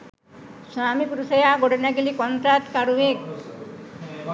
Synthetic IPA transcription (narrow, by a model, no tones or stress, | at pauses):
suamipuɾusejaɡoɖenaɡelikɔnt̪ɾat̪kaɾuek